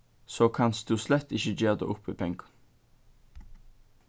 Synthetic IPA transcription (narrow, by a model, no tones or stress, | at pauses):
soːkʰɑnsd̪̥ʉːslɛt̪ːɪçəd͡ʒøːd̪ə̰ːʔʊpʰːeːpʰɛŋɡə